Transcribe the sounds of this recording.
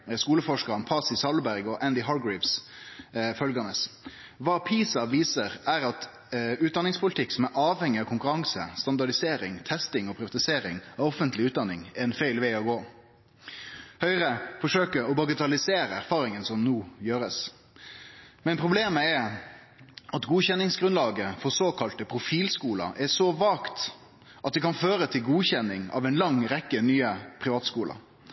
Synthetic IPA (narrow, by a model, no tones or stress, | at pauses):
skuːləfɔʂkəɾɑnpʰɑːsɪsɑlbæɾɡɔʔænd̪ɪɦɑːɾɡɹɪfs | fœlɡɑnəs | ʋɑːpʰiːsɑʋiːsəɾæɾɑt̪ | ʉːt̪d̪ɑnɪŋspʰʊlɪt̪ʰɪksɔmæɾʔɑːʋhɛŋːɪɑʋkʰʊŋkʉɾɑŋsəst̪ɑnd̪ɑɖɪseːɾɪŋt̪ʰɛst̪ɪŋɔpʰɾɪʋɑt̪ɪseːɾɪŋæɔfənt̪lɪʉːt̪d̪ɑnɪŋɛɛnfæɪlʋæɪɔɡoː | hœʏʁəfɔʂøːkəɔbɑɡət̪ʰɑlɪseːɾəæɾfɑːɾɪŋənsɔmnuːjøːɾəs | mɛnpʰʁʊbleːməɛ | ɑt̪ɡuːçɛnːɪŋsɡɾʉnlɑːɡəfɔsoːkʰɑlt̪əpʰɾʊfiːlskuːlɑ̰ʔɛsɔʋɑːkt̪ | ʔɑt̪̚d̪ɛkʰɑnføːɾət̪ʰɪlɡuːçɛnːɪŋɑ̰ːʋɛnlɑŋɾɛkːənyːəpʰɾɪʋɑːt̪skuːlʔɑ̰